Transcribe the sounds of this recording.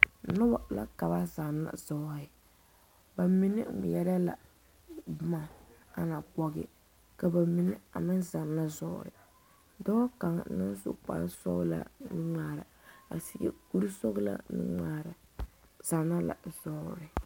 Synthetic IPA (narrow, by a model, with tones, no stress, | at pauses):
nʊ˦ba˨la̰˦ka˨ba˦za˨na̰˨zɔ˦ɾɪ˨ | ba˨mi˦nɪ˦˨jɛ˦ɾa˦la˨ | bʊ˦ma˨ | a˨na˨k͡pɔ˦ɡɪ̰˦ | ka˨ba˨mi˦nɪ˦a˨mɪ˦nza˨nːa˦zɔː˦˨ɾɪ̰˨ | dɔ˦ka˨ŋ˨˦nɨ˦n˦zṵ˦k͡pa̰˨˦n˦sɔ̰ː˦la̰˨nɨ˦ŋaː˦ɾa˨a̰˨si˨ɡɛ̰˦˨ku˦ɾi˦so˦ɡla̰˦nɨ̰˦ŋaː˦ɾ | za˨nːa˦la̰˨zɔː˦ɾɪ˨